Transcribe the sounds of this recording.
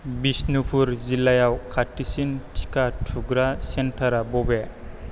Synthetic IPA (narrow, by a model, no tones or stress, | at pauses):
bisnupʰuɾzilajawkʰatːisintʰi̥katʰuɡɾasentʰaɾabɔbe